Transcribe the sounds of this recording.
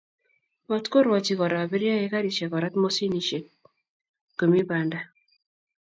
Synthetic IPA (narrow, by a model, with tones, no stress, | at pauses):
ma˦t̪ko˦ɾwɔ˨t͡ʃi˨˦kɔ˨ɾa˨bi˦ɾja˦e˦ka˦ɾi˨ʃa˨kɔ˨ɾa˦t̪mo˦si˦ni˨ʃe˨k̚ | kːo˨mi˦ba˨nda˦